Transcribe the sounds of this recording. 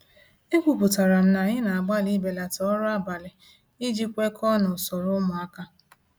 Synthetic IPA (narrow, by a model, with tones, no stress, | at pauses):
e˦kʷu˨pʊ˨ta˨ɾa˨m̩˦na˨ɲɪ˦na˨a˨ɡ͡ba˦li˦be˨la˨tɔ˨ɔ˦ɾʊ˦a˦ba˨lɪ˨ | i˦d͡ʒi˦kʷe˦kʰɔ˦nʊ˨sɔ˨ɾʊ˦mʊ˨a˦ka˦